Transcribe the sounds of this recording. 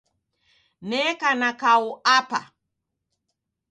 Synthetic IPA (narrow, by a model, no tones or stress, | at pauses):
nɛkanakauapa̰